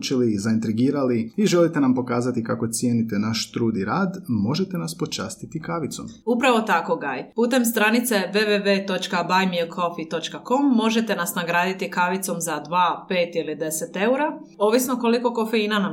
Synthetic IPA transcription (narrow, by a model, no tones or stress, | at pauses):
t͡ʃilizaint̪ɾiɡiːɾaliiʒelit̪enampo̞kaːzat̪ikako̞t̪sije̞ːnit̪e̞naʃt̪ɾuːd̪iɾaːd̪mo̞ʒet̪e̞naspo̞t͡ʃa̰ːst̪it̪ikaʋit̪somupɾaʋo̞t̪ako̞ɡajpuːt̪e̞mst̪ɾanit̪se̞ʋeʋe̞ʋe̞ːt̪o̞t͡ʃkabajmilkʰo̞fit̪o̞t͡ʃkako̞mːo̞ʒe̞t̪e̞nasnaɡɾaːd̪it̪ikaʋit̪somzad̪ʋaːpe̞ːt̪ilid̪e̞se̞t̪e̞uɾa | o̞ʋisno̞ko̞liko̞ko̞fe̞inanam